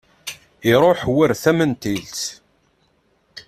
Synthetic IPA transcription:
iɾˤoħwəɾθæmənt̪ilt̪

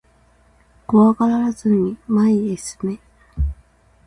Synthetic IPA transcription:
koβakaɾaɾazɨɲ̟imaiesɨ̥me

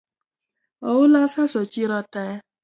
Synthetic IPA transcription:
ɔwulasasɔt͡ʃiɾɔtɛ

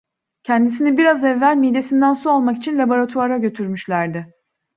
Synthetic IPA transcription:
cʰɛnd̪is̬inibiɾazɛvːælʲmid̪e̞sind̪ænsualˠmakit͡ʃʰinlʲabo̞ɾat̪ʰuaɾaɟø̞t̪ʰyɾmyʃlʲæɾd̪ɪ

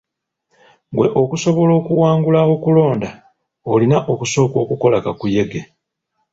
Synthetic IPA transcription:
ɡwe̞ʔo̞kuso̞βo̞lo̞ːkuwaːŋɡulao̞kulo̞ːnda | olinaʔo̞kuso̞ːko̞ːkuko̞lakakuje̞ɡe̞

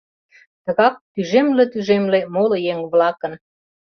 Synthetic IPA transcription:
t̪ə̆ɣɑk̚t̪yʒemlĕt̪yʒemlemolojeŋβlɑkə̆n

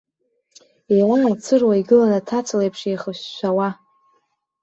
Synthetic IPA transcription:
ejwamamt͡sʰɨrwaiɡɨlanatʰat͡sʷʰlejpʰʂejχəʃːʷawa

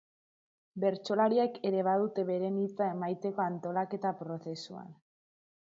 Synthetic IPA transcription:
be̞ɾt͡ʃo̞laɾieke̞ɾe̞β̞aðut̪e̞βe̞ɾe̞nit͡sae̞majt̪e̞ko̞ant̪o̞lake̞t̪apɾo̞θe̞sua̰n

